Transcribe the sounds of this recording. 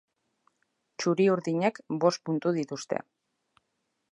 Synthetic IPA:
t͡ʃuɾiuɾðiɲe̞kbo̞st̪̚punt̪uðit̪ust̪e̞̰

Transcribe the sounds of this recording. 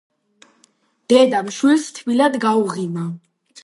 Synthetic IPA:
d̪̥ɛd̪amʃwilst̪ʰvilad̪ɡauʁina

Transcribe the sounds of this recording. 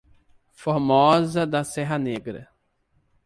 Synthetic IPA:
foɾmɔzɐd̪ɐsɛɦɐneɡɾɐ̰

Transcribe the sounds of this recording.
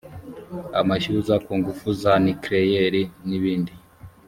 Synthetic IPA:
a̰maʃuzakuːŋɡufuzanikɾejeɾiniβiːndi

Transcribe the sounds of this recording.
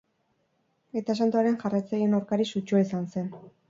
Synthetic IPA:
e̞t̪as̬ant̪uaɾe̞nʝarajt͡sajienawɾkaɾisut͡ʃuisanse̞n

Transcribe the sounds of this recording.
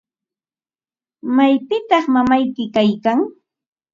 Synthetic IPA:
majpɪt̪ɑχmamajkɪkajkaŋ

